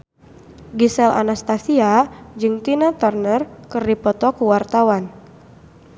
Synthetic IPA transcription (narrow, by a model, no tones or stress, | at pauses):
ɡisɛlʔa̰nast̪asiad͡ʒɨŋt̪inat̪ərnərkɨrdipɔt̪ɔkuwart̪awan